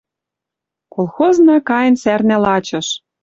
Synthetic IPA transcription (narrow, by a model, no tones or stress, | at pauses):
kolˠxoznɑkɑjə̆nsærnælɑt͡ɕɤ̆ʃ